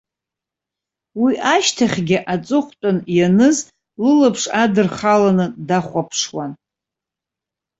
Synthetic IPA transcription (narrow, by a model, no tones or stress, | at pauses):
wiʔaʃtʰaχʲɡʲɪʔat͡sʼʊχʷtʼʊnjanɨz | lɨlapʰʂadɨrχalanɨdaχʷapʰʂwan